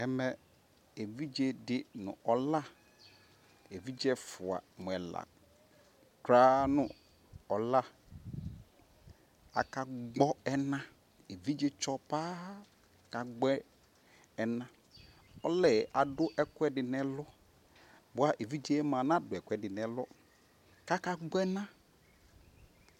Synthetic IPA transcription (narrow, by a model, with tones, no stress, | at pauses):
ɛ˦mɛ˨ | e˨vi˦d͡ʒe˦dɪ˦nʊ̰̃˨ʔɔ˨la˦˨ | e˨vi˦d͡ʒɛ˦fʊ˨a̰˨mʊ˨ɛ˨la̰˨ | kɾa˦nʊ̃˨ | ɔ˨la˦ | a̰˨ka˨ɡ͡bɔ˦ɛ˦nã˦ | e˨vi˦d͡ʒe˦t͡ʃɔ˦paː˦ | ka˨ɡ͡bɛ˦ | ɛ˨nã˦ | ɔ˦lɛ˨ʔa˨dʊ˦ʔɛ˦kwɛ˦dɪ˨nɛ˨lɔ˦ | bʊ˨˦a˦ʔe˨vi˦d͡ʒe˦mã˨nã˦dʊ˨ɛ˨kʷɛ˦dɪ˨nɛ˨lɔ˦ | ka˦ka˨ɡ͡bɔ˦ɛ˦nã˦